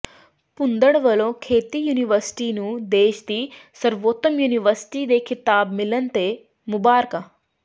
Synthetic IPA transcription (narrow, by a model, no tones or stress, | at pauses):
pʊnd̪əɽʋɐlõkʰeːt̪ijuːniʋəɾsʈiːnũd̪eːʃt̪iːsəɾʋoːt̪əmjuːniʋəɾsʈiːd̪ekʰɪt̪aːbmɪlənt̪e | mʊbaːɾka